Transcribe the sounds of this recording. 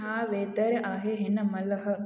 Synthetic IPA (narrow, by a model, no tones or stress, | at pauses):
aːʋeːd̪əɾeʔaɦeɦenəmələɦə